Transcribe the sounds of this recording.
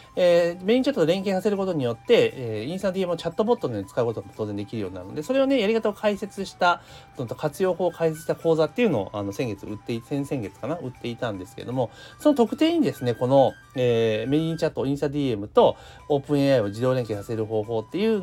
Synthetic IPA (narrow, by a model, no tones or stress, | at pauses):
eːme̞ɲ̟ĩɲt͡ɕat̪ot̪oɾẽ̞ŋkeːsase̞ɾɯko̞t̪o̞ɲ̟ijo̞t̪ːe̞ĩɰ̃st̪ad̪iemɯ̟ot͡ɕat̪ːo̞bo̞t̪ːonit͡sɨ̥kaɯ̟ko̞t̪oaot̪oːze̞nd̪e̞kʲiɾɯjo̞ːɲ̟inaɾɯ̟nod̪eso̞ɾe̞one̞jaɾʲikat̪ao̞kʰaise̞t͡sɨɕi̥t̪a | ont̪okʰat͡sɨjo̞ːho̞ːkʰaiset͡sɨɕit̪ako̞ːzat̪ːe̞iɯ̟noo̰ʔano̞sẽ̞ŋɡe̞t͡sɨɯt̪ːe̞isẽsẽ̞ŋɡe̞t͡sɨ̥kanaɯ̟t̪ːe̞it̪ãnd̪e̞sɨ̥keed̪o̞mo̞sonot̪o̞kɯ̟t̪e̞ːɲ̟id̪esɨne̞ko̞no̞ | eːme̞ɲĩɲt͡ɕat̪ːo̞ĩst̪ad̪ʲiemɯ̟t̪o̞ | oːpɯ̟̃ɰ̃eaod͡ʑid̪o̞ːɾeŋke̞ːsase̞ɾɯ̟ɦo̞ːɦo̞ːt̪ːe̞jɯ̟ː